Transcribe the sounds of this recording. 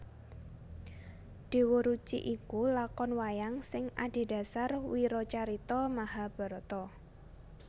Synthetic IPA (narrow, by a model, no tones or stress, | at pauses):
ɖ̪̥e̤woɾut͡ʃḭʔikulakɔnwajaŋsɪŋaɖ̥e̤d̥a̤sarwiɾɔt͡ʃaɾit̪ɔmaɦab̥ɔ̤ɾɔt̪ɔ